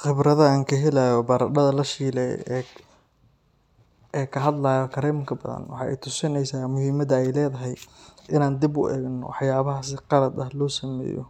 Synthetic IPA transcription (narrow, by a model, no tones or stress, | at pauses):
χɪbɾɐðɐaːŋkʰɐɦɛlajɔbɐɾɐɗɐðɐlɐʃiːlɛ̰ɛ | ɛkʰɐɦɐd̪laːjɔkʰɐɾɛːmkʰɐbɐ̰ðɐ̰nwɑħɑ̰ːʔɛ̰jt̪ʰʊsɪnɛjsaːmʊhiːmɐðɐɛjlɛːðɐɦɛjʔɪnaːnd̪ibʊ̰ʔɛːɣnɔ̰wɑħjaːβɐɦaːsɪqɑlɐd̪ɐhlɔːsɐmɛ̰ːjɔ̰